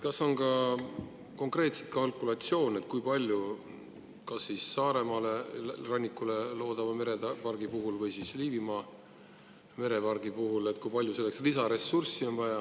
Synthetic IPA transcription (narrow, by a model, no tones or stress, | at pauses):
kɑso̞nkɑ | ko̞ŋkre̞ːt̪set̪kɑlkˑulɑt̪sio̞ːne̞t̪̚kujpɑlʲju | kɑsːisːɑːɾe̞mɑle̞rɑnʲːikːˑule̞lo̞ːd̪̥ɑmɑmeɾeɑpɑrɡ̥ipuɦulvɤjsiːsliːvimɑ | me̞ɾe̞pɑrɡ̥ipuɦule̞t̪̚ːˑkujpɑlʲjuse̞lːekslisɑɾe̞sursːio̞nvɑjɑ